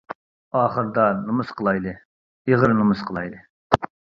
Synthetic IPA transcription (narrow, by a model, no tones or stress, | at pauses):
ɑːχəɾd̪ɑnɨmɨsqʰəlˠɑjd̪ɨ | iʁəɾnɨmɨsqʰəlˠɑjd̪ɨ